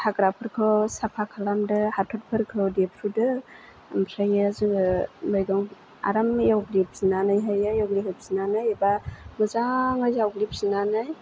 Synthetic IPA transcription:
haɡɾapʰɯɾkʰɯwsapʰakʰalamdɯhatʰɔt̚pʰɯɾkʰɯdepʰɾudɯ | mpʰɾajɯzŋmajɡaŋ | a̰ɾamjawɡlip̚zinanajɦajajawɡliɦɯp̚zinanajbamɯzaŋazawɡlip̚zinanaj

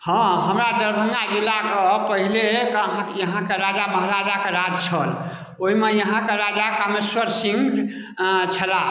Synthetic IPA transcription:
hɔ̃ɦəmɾad̪əɾbʱəŋɡad͡ʒilːakəpəɦilekəɦãjəɦãkeɾad͡ʒaməɦɾad͡ʒakeɾad͡ʒt͡ʃʰəl | oimejəɦãkeɾad͡ʒakəmeswəɾsĩŋɡʱ | t͡ʃʰəla

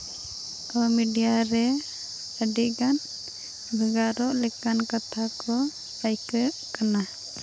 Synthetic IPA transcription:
kɔmiɖijaɾɛ | əɖiʔɡan | bʱɛɡaɾɔʔlɛkankat̪ʰakɔ | pajkəʔkana

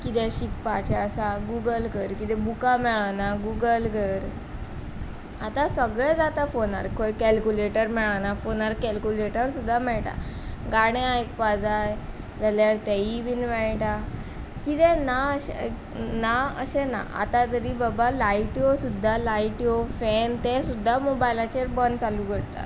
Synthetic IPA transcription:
kit̪ɛ̃ɕikpat͡ɕaəsaɡuɡəlkəɾkit̪ɛbukamɛɭanaɡuɡəlɡʱəɾ | at̪ãsʋəɡɭɛd͡zat̪afona̰ɾkʰojkɛlkuleʈəɾmɛɭanafonaɾkɛlkuleʈəɾsud̪ʱːamɛɭʈa̰ɡaɽ̃eajkpad͡zaj | d͡zəljaɾt̪ɛibʱinʋɛɭʈa | kid̪ɛ̃naəɕe | naə̰ɕena̰a̰t̪ad͡zəɾiːbəbalaiʈiosud̪ʱːalaiʈiofɛnt̪ɛsud̪ʱːamobajlat͡ɕeɾbənt͡saluɡəɽt̪a̰

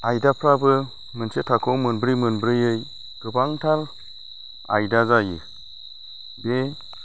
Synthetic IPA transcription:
ajdapʰɾabɯ | mɯnsetʰakʰɔmɯnbɾijmɯnbɾɯjɯj | ɡ̥ɯbaŋtʰal | a̰jdazajɯ̰ | be

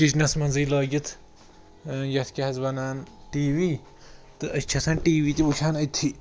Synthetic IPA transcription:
biznɐsmɐnziːlɐːɡʲit̪ʰ | jɐt̪ʰkʲɐɦɐzbɐnaːnʈiːʋiː | t̪ɨɐt͡ʃʰɐsʰɐnʈiːʋiːt̪ibut͡ʃʰaːnɐt̪ʰːi

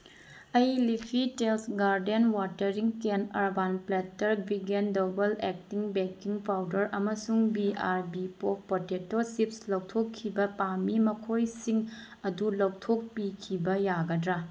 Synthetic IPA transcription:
ɐjlipʰitelsɡaɾdenwatɐɾiŋkenɐɾbanpletːɐɾbʱiɡendobɐlek̚tiŋbekiŋpʰawdɐɾɐmɐsuŋbiaɾbipopʰpotetosipslɐwtʰokʰːibɐpamimɐkʰojsiŋ | ɐdulɐwtʰok̚pikʰibɐjaɡɐdɾa

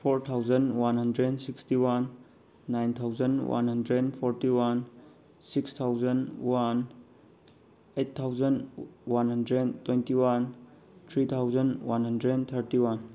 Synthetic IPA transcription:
pʰoɾt̪ʰawzɐnwanɦɐndɾensikstiwanː | ajnt̪ʰawzənwa̰nɦɐndɾenpʰɔɾtiwan | sikst̪ʰawzɐnwan | ejt̚t̪ʰawzənwanɦɐndɾetwentiwan | t̪ʰɾit̪ʰawzənwa̰nɦəndɾent̪ʰəɾtiwan

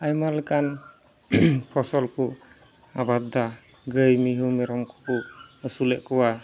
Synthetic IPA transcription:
ajmaɾləkan | pʰɔsɔlkʰu | abad̪a | ɡəjmiɦumɛɾɔmkʰɔ̥kuəsulɛʔkɔwa

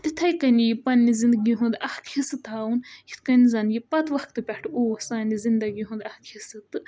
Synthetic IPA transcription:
t̪it̪ʰɐjkɐnijipɐnːizind̪ɡiɦũnd̪ɐhkʰisɨt̪ʰaːwunʰi̥t̪ʰkɐnizɐnjipɐt̪ʰʋɐkt̪ɨpʲɛʈʰoːsaːnizind̪ɐɡiɦũnd̪ɐhkʰisɨt̪ɨ

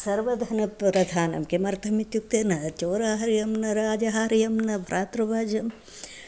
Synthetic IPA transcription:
sɐɾʋɐd̪ʱɐnɐpɾɐd̪ʱaːnɐ̰mkemɐɾt̪ʰɐmit̪juk̚t̪ɐnɐt͡ʃoːɾaːɦɐɾjɐmnɐɾaːd͡ʒɐɦaːɾjɐmnɐbʱɐɾʔaːt̪ɾɐbaːd͡ʒɐm

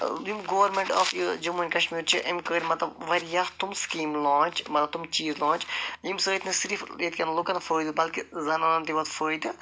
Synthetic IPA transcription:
jimɡoːʋɐɾmẽɳʈɔ̰ːfjid͡ʒɐmunʲkɐʃmiːɾt͡ʃʰiʔɐmkəːɾʲmɐt̪ɐbʋɐɾijast̪umskiːmlɔ̃ːnt͡ʃmɐt̪lɐb̚t̪umt͡ʃiːzlɔ̃ːnt͡ʃjimsəit̪nisiɾifjet̪kʲɐnlukɐnɐfəːjd̪ɨbɐlkizɐnɐnɐnt̪iʋɐt̪fəːjd̪ɨ

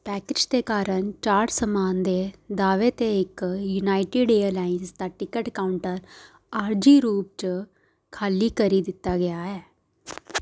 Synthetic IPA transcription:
pɛːkɪd͡ʒt̪eːkaːɾəɳt͡ʃaːʈsəmaːnd̪eːd̪aːʋet̪eɪkjunaːɪʈiːɖeːəlaːɪnst̪aːʈɪkəʈkaːʊɳʈəɾ | aːɾd͡ʒiːɾuːp̚t͡ʃ | kʰaːliːkəɾiːd̪ɪt̪ːaːɡɪjaːɛː

